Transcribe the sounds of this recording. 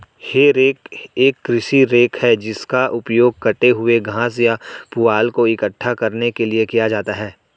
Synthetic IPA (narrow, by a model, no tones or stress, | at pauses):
heɾeːkeːkːɾɪʃiɾeːkhɛd͡ʒɪskaʔʊpjoːɡ̚kɐʈeɦʊeɡʱãːs̬japʊaːlkoɪkəʈʰːakɐɾnekeliekijad͡ʒaːt̪aɦɛː